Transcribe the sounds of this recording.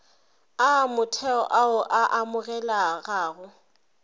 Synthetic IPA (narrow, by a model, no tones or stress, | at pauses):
amʊtʰɛɔ̰ʔaʊʔaʔamʊɣɛlaɣaːɣʊ